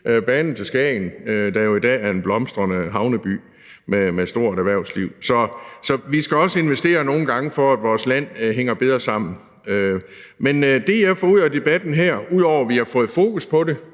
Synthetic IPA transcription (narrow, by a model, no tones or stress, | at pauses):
ʔøb̥ɛːnn̩t͡sʰe̝sɡ̥ɛɪnød̥ɑjo̝id̥ɛ̰ːæɐe̝nb̥lɒ̽msd̥ʁɐnəɦɑ̈ʊnəb̥y̰ː | memesd̥o̝ɐ̰dæʋæɐ̰ʊsliʊ̰sɒ̽sɒ̽ʋisɡ̥æɒ̽səe̝nʋesd̥e̝̰ːɐno̝ːn̩ɡ̥ɑ̈ŋəfɒ̽æd̥ʋɒːslæn̰ɦeŋ̰ɐb̥e̝ð̞ˠʁɐsɑ̈m̰n̩ | ø | mend̥e̝jɑ̈ɪfɒːuð̰ˠæd̥e̝b̥æd̥n̩ɦæɐ̰uð̰ˠɒʊ̰ɐʋihɑ̈fɔ̽ːð̩ˠfo̝ːkuspʰɒ̽ɾe̝